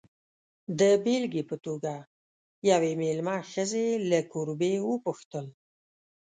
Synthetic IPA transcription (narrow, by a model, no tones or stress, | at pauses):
d̪əbelɡipət̪oɡa | jawemelmɑxəzelakuɾbewəpuxt̪əl